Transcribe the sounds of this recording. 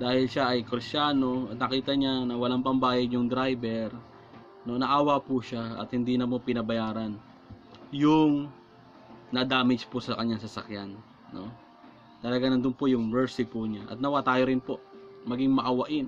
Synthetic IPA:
d̪aːhɪlʃaʔɐjkɾɪst͡ʃaːno̞ʔɐt̪̚nɐkiːt̪ɐɲanɐwɐlaŋpɐmbaːjɐd̪jʊŋd̪ɾajbɛɾ | no̞nɐʔaːwɐpuʃaɐ̰t̪hɪnd̪iːnɐmopɪnɐbɐjaːɾɐn | jʊŋ | nɐd̪aːmɪd͡ʒpʊsɐkɐɲːaŋsɐsɐ̰kjanː | o̞̰ | t̪ɐlɐɡanɐnd̪ʊnpojʊŋmɛɹsɪpʊɲaʔɐ̰t̪nɐwat̪aːjoɾɪnpo̞ʔmɐɡiŋmɐʔɐwɐʔɪn

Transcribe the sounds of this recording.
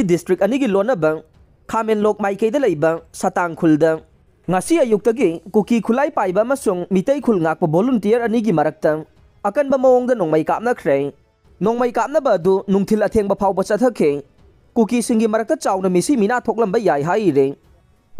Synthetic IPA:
idistɾik̚ɐniɡilonːɐbɐ | kʰamenlok̚majkɐjdɐlɐjbɐsataŋkʰuldɐ | ŋɐsiɐjuk̚tɐɡikukikʰulajpajbɐːmɐsuŋmitɐjkʰulŋak̚pɐbolumtijɐɾɐniɡimɐɾɐk̚tɐ | ɐkɐnbɐmɐoŋdɐnoŋmɐjkap̚nɐkʰɾej | noŋmɐjkap̚nɐbɐːdunuŋtʰilɐtʰeŋbɐpʰawbɐt͡ʃɐtʰɐkʰe | kukisiŋɡimɐɾɐk̚tɐt͡ʃawnɐmisiminatʰok̚lɐmbɐjajɦajɾe

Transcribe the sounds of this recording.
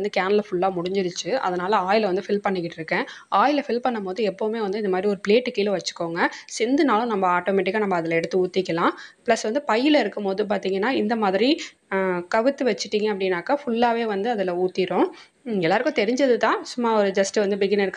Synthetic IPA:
nd̪ɯkaːnɐlɐfʊɭːaːmʊɽɪɲd͡ʒɪɾɯt͡ʃːɯʔɐ̰ðɐnaːlɐaːjɪlɐʋɐnd̪ɯfɪlpɐɳːɪkːɪʈːɪɾɯkːẽːaːjɪlɐfɪlpɐɳːɐmpoːðɯɛpːoːʋɯmeːʋɐnd̪ɯɪnd̪ɐmaːðɾiɔɾɯpɪleːʈːɯkiːlʋɐt͡ʃːɯ̥kːoːŋɡɐsɪnd̪ɯnaːlʊ̃nɐmːɐaːʈoːmɛːʈɪkːanɐmːɐːðɪlɛɽɯt̪ːɯuːt̪ːɪkːɐlãːplɐsʋɐnd̪ɯpɐjːɪlɐɪɾɯkːɯmpoːðɯp̬aːɾt̪iːŋɡɐnːaːɪnd̪ɐmaːðɪɾi | kɐʋɯt̪ːɯʋɐt͡ʃːɪʈːiːŋɡɐɐpːɐɽɪnːaːkːaːfʊɭːaːʋeːʋɐnd̪ɯɐðɪlɐuːt̪ːɪɾõː | ɪŋɡɛlːaːɾɯkːʊ̃t̪ɛɾɪɲd͡ʒɐðɯt̪ãːsʊmːaːɔɾɯd͡ʒɐsʈɯʋɐnd̪ɯbɪɡɪnɪɾɯkː

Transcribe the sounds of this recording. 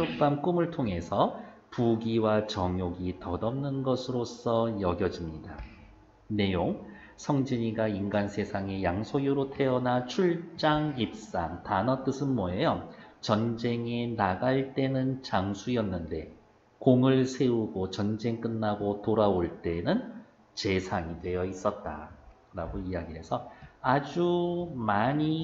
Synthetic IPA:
ok̚p͈amk͈umɯɭtʰoŋɦe̞sʰʌpuɡiwat͡ɕʌŋjoɡitʌdʌmnɯnɡʌsʰɯɾos͈ʰʌjʌɡjʌd͡ʑimɲida | ne̞joŋ | sʰʌŋd͡ʑiɲiɡainɡansʰe̞sʰaŋe̞jaŋsʰojuɾotʰe̞ʌnat͡ɕʰuɭt͡ɕ͈aŋip̚s͈a̰ŋtanʌt͈ɯsʰɯnmʌejʌ | t͡ɕʌnd͡ʑe̞ŋenaɡaɭt͈e̞nɯnt͡ɕaŋsʰuiʌnːɯnde̞ | koŋɯɭsʰe̞uɡot͡ɕʌnd͡ʑe̞ŋk͈ɯnːaɡotoɾaoɭt͈e̞nɯn | t͡ɕe̞sʰaŋidwe̞jʌis͈ʌt̚t͈a̰ | ɾaɡoijaɡiɦe̞sʰʌad͡ʑumaɲi

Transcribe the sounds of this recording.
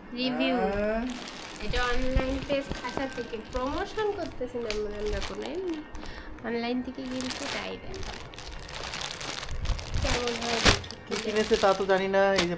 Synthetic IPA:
ɾibʱuu | etaɔnlajnpeskʰaʃat̪ʰekepɾomoʃonkoɾt̪esʰinamamdakonoelni | ɔnlajnt̪ʰekeɡint͡ɕʰeʈa̰jdḛa̰ | ʃʰeɾmolakokikinet͡ɕʰet̪at̪od͡ʑaninaejd͡ʑe

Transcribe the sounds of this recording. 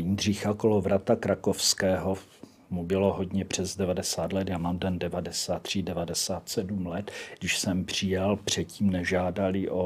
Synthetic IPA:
indr̝ɪxakolovɾat̪akɾakofskɛːɦo | mubɪlo̞ɦodɲɛpr̝̥ɛzdɛvadɛsaːt̪lɛt̪jaːmaːmdɛndɛvadɛsaːt̪ːr̝̥idɛvadɛsaːt̪sɛdumlɛt̪ɡdɪʃsɛmpr̝̥ɪjalpr̝̥ɛt̪ciːmnɛʒaːdalɪʔo

